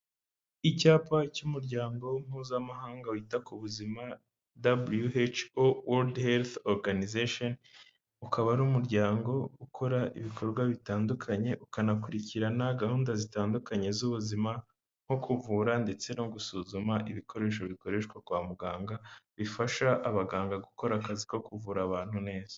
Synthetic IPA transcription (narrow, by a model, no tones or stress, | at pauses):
icaːpacumuɾɟaːŋɡo̞wm̥huːzamaɦaːŋɡawitakuβuzima | dabuljuet͡ʃowoldhelθoɾɡanizeʃon | ukʰaβaɾuːmuɾɟaːŋɡo̞ukʰo̞ɾaʔḭβikʰo̞ɾɡwaβitaːndukʰaɲe̞ʔukanakuɾiciɾanaɡahuːndazitaːndukaɲe̞zuβuzima | ŋ̥ho̞kʰuvuːɾande̞t͡se̞no̞ɡusuzumaʔiβikʰo̞ɾe̞ʃ̬o̞βiko̞ɾe̞ʃkwakwaːmuɡaːŋɡaβifaʃaʔːβaɡaːŋɡaɡuko̞ɾakaziko̞kuvuːɾaβaːnhune̞ːz̥ḁ